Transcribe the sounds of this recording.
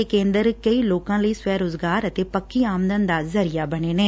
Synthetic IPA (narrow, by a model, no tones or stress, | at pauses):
ekẽːnd̪əɾkəiːloːkãːləiːswɛːɾʊzɡaːɾət̪eːpəkːiːaːmd̪ənd̪aːzəɾɪjaːbəɳ̃eːneː